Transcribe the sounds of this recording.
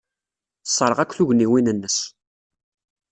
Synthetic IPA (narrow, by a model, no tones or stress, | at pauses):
sˤːəɾˤəʁækʷːθuʝniwinənːəs